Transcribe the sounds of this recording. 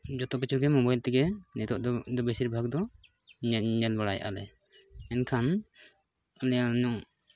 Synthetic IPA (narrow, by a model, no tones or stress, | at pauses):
d͡ʒɔt̪ɔkit͡ʃʰuɡɛmɔbajlt̪ɛɡɛnɛt̪ɔʔd̪d̪ɔbɛsiɾbʱaɡ̚d̪ɔ | ɲɛlbaɽa̰jʔa̰lɛ | ɛnkʰan | ɔlɛjaɲɔŋ